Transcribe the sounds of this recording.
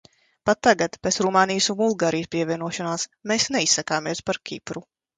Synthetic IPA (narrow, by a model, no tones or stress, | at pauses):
pat̪ːaɡat̪pet̪sɾumaːnijsunbulˠɡaːɾijəspʲiɛvʲiɛnuɔʃɔnaːsmeːsnɛisːakaːmiɛspaɾkʲḭpɾu